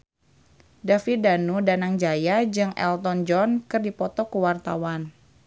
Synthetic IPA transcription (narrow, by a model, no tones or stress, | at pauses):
dafidanudanaŋd͡ʒajad͡ʒɨŋɛ̰lt̪ɔnd͡ʒɔnkɨrdipɔt̪ɔkuwart̪awan